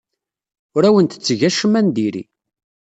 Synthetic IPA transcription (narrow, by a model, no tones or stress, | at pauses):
ʊɾæwənt̪ə̥t͡sːʝæʃəmænd̪iɾḭ